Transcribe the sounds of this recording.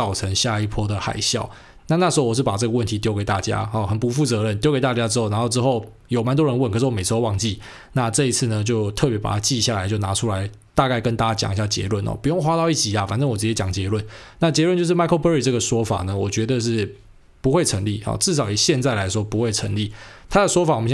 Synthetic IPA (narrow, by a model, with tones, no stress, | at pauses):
ɑ˨˩ʊʈ͡ʂʰə˧˦ŋɕja˥˧i˥˩pʰwɔ˥d̪ə˨xa̰˨˩ɪɕjɑ˥˩ʊ | na˥˧na˥˩ʂɻ̩˨˧xo˥ʊwɔ˨˩ʂ̬ɻ̩˥˩pa˨˩ʈ͡ʂɤ˥ɡə˩wə˥˩nt̪ʰi˥t̪̬jo˥ke˨˩ɪt̪a̰˥˩t͡ɕja̰˦hɔ˨˩xə˨˩npu˧˥fu˥˩t͡sɤ˧˦ɻə˥˩nt̪jo˥ʊke˨˩ɪt̪a˥˩t͡ɕja˥ʈ͡ʂɻ̩˥xo˥˩ʊna˧˦xo˥˧ʊʈ͡ʂɻ̩˥xo˥˩ʊ | jo˨˩ʊma˧˦nt̪̬wɔ˥ɻə˧˦nwkʰə˨˩ʂ̩˥˩wɔ˧me˨˩ʂ̩˧xo˧wɑ˥˧ŋt͡ɕi˥˩ | na˥˧ʈ͡ʂɤ˥˧i˦t͡sʰɹ̩˥˩nə˩t͡ɕjo˥˧ʊt̪ʰɤ˥˩pjɛ˧˥pa̰˨˩t̪ʰa˥t͡ɕi˥˧ɕja˥˩la˨˧ɪt͡ɕjo˥˩ʊna˧˥ʈ͡ʂʰu˥la˧˦ɪ | t̪a˥˧ka˥˩ɪkə˦nt̪a˥˧t͡ɕa˥˧t͡ɕja̰˨˩ŋi˨ɕa˥˩t͡ɕjɛ̰˧˥lwə˥˩nɔ̰˨˩pu˧˦jo˥˩ŋxwa˥t̪ɑ˥˧ʊi˥˩t͡ɕi˨˩a˨fa˨˩nʈ͡ʂə˥ŋwɔ˨˩t͡sɹ̩˧t͡ɕjɛ˥t͡ɕjɑ˨˩ŋt͡ɕjɛ˧˥lwə˥˨nna˥˩t͡ɕjɛ˧˥lwə˥˧nt͡ɕjʂɻ̩˥˩ma˥ɪkʰə˥˧ʊpə˧˦˥i˨˩ʈ͡ʂɤ˥˩ɡə˩ʂwɔ˥fa̰˨˩nə˦wɔ˨˩t͡ɕɥɛ˧˥d̪ə˧ʂ̬ɻ̩˥˩ | pu˧˥xwe˥˩ɪʈ͡ʂʰə˧˥ŋli˥˩xɔ̰˨˩ʈ͡ʂɻ̩˥˩ʂ̬ɑ˨˩ʊi˨˩ɕjɛ˥˧nt͡sa˥˩ɪla˧˥ɪʂwɔ˥pu˧˥xwe˥˩ɪʈ͡ʂʰə˧˥ŋli˥˩t̪ʰa˥də˨ʂwɔ˥fa˨˩wmə˦˩˥